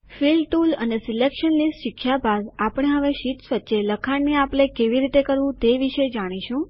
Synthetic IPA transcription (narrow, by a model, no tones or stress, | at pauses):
filʈulə̰nesilekʃənlisʃikʰʃjabad̪apəɽ̃eɦəʋeʃit̪sʋətːʃeləkʰaɳneapɳ̃ekeʋiɾit̪ekəɾʋũt̪eʋiʃed͡ʒaɽ̃iʃũ